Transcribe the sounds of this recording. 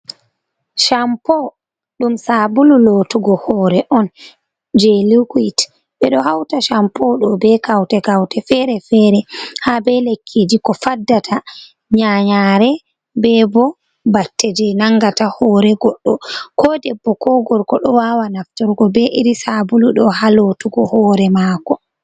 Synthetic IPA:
ʃampɔ | ɗumsabululotuɡɔhɔɾɛʔɔn | d͡ʒelikuit | ɓɛɗɔhawtaʃampɔɗɔbɛkawtɛɡawtɛfɛɾɛfɛɾɛhabɛlekʰːid͡ʒikɔfadːatʰa | ɲaɲaɾɛ | bɛbɔ | batːɛd͡ʒɛnaŋɡatahɔːɾɛɡɔɗːɔkɔdɛbːɔkɔɡɔɾkɔɗɔwawanaftɔɾɡɔbɛʔiɾisabuluɗɔhalotuɡɔhɔːɾɛmaːkɔ

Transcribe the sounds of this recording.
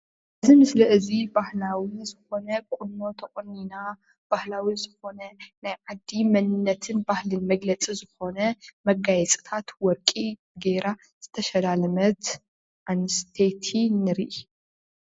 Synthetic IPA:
ʔɨzimɨslɐʔɨzibahlawizɨxo̞nɐkʷʼʊnːo̞t̪ʰɐχʼɔnːina | b̥ahlawizɨxo̞nɐnajʕad̪ːimɐnɨnːɐt̪ʰɨnbahlɨnmɐɡlɐt͡sʼizɨxo̞nɐmɐɡajɛt͡sʼi̥t̪ʰat̪wɔɾkʼi | ɡeɾa | z̥ɨt̪ʰɐʃɐlalɐmɐt̪ | ʔanɨst̪ʰet̪ʰinɨɾiʔi

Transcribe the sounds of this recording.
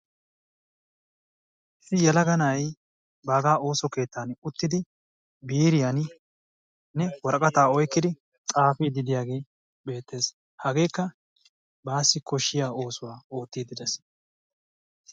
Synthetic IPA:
ɪsɪjɛlɐɡɐnɐj | baːɡaːo̞ːsɔke̞ːt̪ːaːnʊt̪ːɪd̪ɪ | biːɾɪjan | nɛwɔɾɐkʼɐt̪aːɔjkːɪd̪ɪ | t͡sʼaːfiːd̪ɪd̪ɪjaːɡe̞ː | be̞ːt̪ːe̞ːs | hɐɡe̞ːkːɐ | baːsːɪkɔʃːɪjaːo̞ːsʊwaːo̞ːt̪ːiːd̪ɪd̪ɛs

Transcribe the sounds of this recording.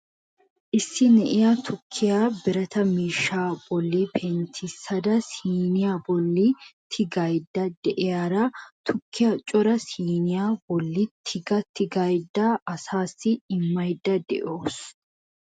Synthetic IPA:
ʔɪsːɪnɛʔɪjat̪ʰʊkʰːɪjaːbɪɾɐt̪ɐmiːʃːaːb̥ɔlːibʰent̪ʰɪsɐd̪ɐsiːnɪjaːbɔlːit̪ʰɪɡɐjd̪ːɐd̪ɛʔɛjaːɾɐt̪ʰʊkʰːɪjat͡ʃʼɔɾɐsiːnɪjaːbɔlːɪt̪ʰɪɡɐt̪ʰɪɡɐjd̪ːɐʔɐsaːsːɪɪmːɐjd̪ːɐd̪ɛ̰ʔoːs

